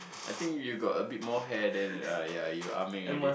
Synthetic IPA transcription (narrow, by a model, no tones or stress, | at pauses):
ʔajt̪ĩŋkjuɡɔtəbit̚mɔɦɛdɛ̃najajuamĩŋ